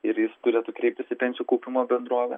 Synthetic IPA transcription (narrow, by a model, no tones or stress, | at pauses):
ɪɾjɪst̪ʊɾʲeːt̪uːkɾʲɛɪp̚t̪ʲɪsʲɪpʲɛnʲsʲɪjuːkoʊpʲɪmoːbʲɛnd̪ɾuːʋʲɛ